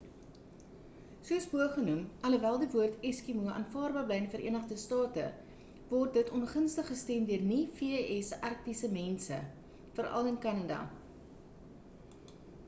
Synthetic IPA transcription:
suəsbuəχənumɐləvælˠdivuərtɛskimuəʔɐ̰nfɑːrbɑːrblɛjənifəɾʔḭənəχdəstɑːtə̰ | vɔrt̚dətʰɔnχənstəχːəstɛmdyərnifiʔɛsʔɐrk̚tisəmɛnsə | fəɾʔɐ̰lənkɐnɐdɐ̰

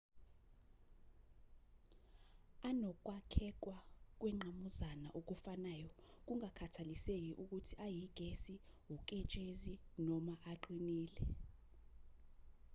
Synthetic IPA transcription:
anɔk̬ʼwakʰɛk̬wak̬wɛŋ͡ǃʱamuzana̰ʔok̬ufanaːjɔk̬uŋakʰatʰalisek̬iʔuk̬utʰiʔajiɡ̥ʱesiwuk̬ʼɛt͡ʃʼezinɔmaʔaǃʰʼwiniːlɛ

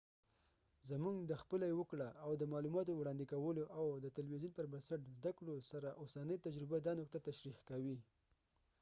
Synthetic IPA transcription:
zamuŋɡd̪əxpəlajwəkɽaʔːwd̪əmɑlumɑt̪owɽɑnd̪ikawəloʔawd̪ət̪alwizjunpəɾbansaʈzd̪akɽosaɾaʔosanəjt̪ad͡ʒɾɪbad̪ɑnokt̪at̪aʃɾiqkawi

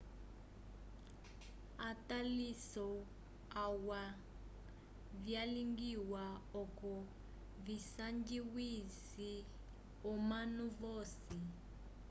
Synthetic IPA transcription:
atalisɔ | awa | vjaliŋɡiwaɔkɔ | visaŋɡiwis | i | ɔmanuvoːsi

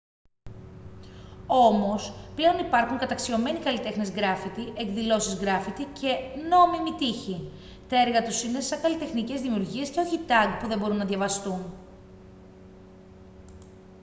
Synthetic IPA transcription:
o̞mo̞sple̞o̞nipɐɾxuŋkɐt̪ɐksio̞me̞nikɐlit̪e̞xne̞zɡɾɐfit̪iʔekðilo̞sizɣɾɐfit̪icʰe̞no̞mimit̪içi | t̪e̞ɾɣɐt̪usine̞sɐkɐlit̪e̞xnice̞zðimiuɾʝie̞sce̞o̞çit̪ɐɡ̚puðe̞mbo̞ɾunːɐðʝɐvɐst̪un

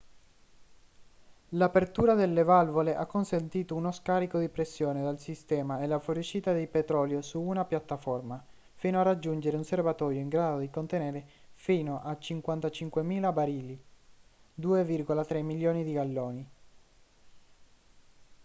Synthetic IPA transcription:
lapert̪uːɾad̪elːevalvoleʔakːonsent̪iːt̪ounoskaːɾikod̪ipɾesːjoːned̪alsist̪ɛːmaelːafoɾit͡ʃːiːt̪ad̪ejpet̪ɾɔːljosuunapjat̪ːafɔrma | fiːnoarad͡ʒːund͡ʒeɾeunservat̪ɔːɾjoiŋɡɾaːd̪od̪ikont̪eneːɾefiːnoʔat͡ʃːiŋkwant̪at͡ʃiŋkwemiːlabaɾiːli | d̪uːevirɡolat̪ɾemːiljoːnid̪iɡalːɔːni

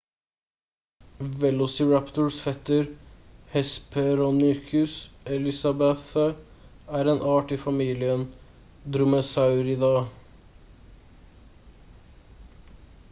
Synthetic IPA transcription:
ʋɛlʊsɪɹæpt̪əɹsfɛt̪ːəɾhɛspʰɛɾɔnʏkʰʉsɛlɪsɑbɛθə | æːɾeːnʔɑːʈiːfɑmiːlɪən | d̪ɾʊməsɑʉɾiːd̪ɑː

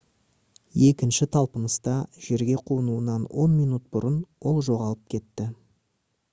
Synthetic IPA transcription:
je̞kʲɪnʃɪt̪ʰɑlˠpənəst̪ɑʒ̥e̞ɾɡʲe̞qʰuənuənɑnwo̞nmijnut̪̚b̥ʊɾənwo̞lˠʒo̞ʁɑlˠəp̚kʲʰe̞t̪ːɪ

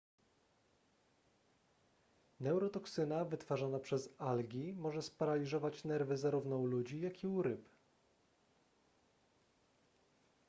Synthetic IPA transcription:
nɛwɾɔt̪ɔksɘnavɘt̪faʐanapʂɛzalɡʲimɔʐɛspaɾalʲiʐɔvat͡ɕnɛɾvɘzaɾuvnɔwlud͡ʑijakʲiuɾɘp

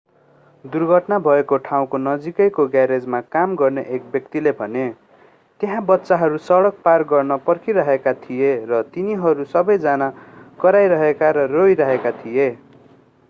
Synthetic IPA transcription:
d̪urɡʱʌʈnabʱʌekoʈʰaw̃konʌd͡zikʌjkoɡaɾed͡zmakamɡʌrnʌʔek̚bjʌkt̪ilebʱʌne | t̪jɦãbʌt̪ːsaɦʌɾusʌɽʌk̚parɡʌrnʌpʌrkiɾʌɦekat̪ʰijerʌt̪iniɦʌɾusʌbʌjd͡zanakʌɾajɾʌɦekaɾʌroiɾʌɦekat̪ʰije

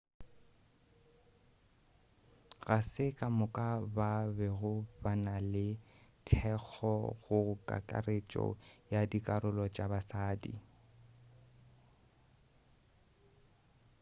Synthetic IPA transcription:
ɣasɪkʼamʊkʼababɛɣʊbanalɪ | tʰɛk͡xʰɔɣʊkʼa̰kʼa̰ret͡ʃʼɔ̰jadikʼaɾʊlɔt͡ʃʼabasaːdḭ

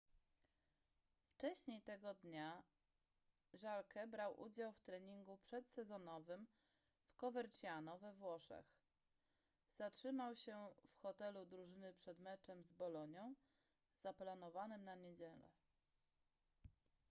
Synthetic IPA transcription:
ft͡ʂɛɕɲejt̪ɛɡɔd̪ɲa | ʐalkɛbɾawʔṵd͡ʑawft̪ɾɛɲiŋɡupʂɛt̪sɛzɔnɔvɘm | fkɔvɛɾt͡ɕjanɔvɛvwɔʂɛ̰x | z̥atʂɘmawɕɛfxɔt̪ɛlud̪ɾuʐɘnɘpʂɛd̪mɛt͡ʂɛmzbɔlɔɲɔ̃w̃ | zaplanɔvanɘmnaɲed͡ʑɛlɛ̰

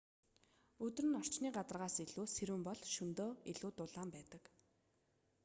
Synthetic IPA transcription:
ɵt̪rɘ̆nɔr̥t͡ɕniːɢat̪ə̆rʁaːseɮuːseɾuːmpɔɮʃɵnt̪oːiɮuːt̪ʊɮaːmpæːt̪ə̆k

